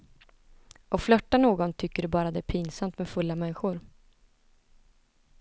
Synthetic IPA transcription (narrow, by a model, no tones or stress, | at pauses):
ʔɔflœʈːanoːɡɔnt̪ʰʏkːəɖɵbɑːɾad̪ɛæɾpʰiːnsamt̪mɛd̪fɵlːamɛnːɪɧʊɾ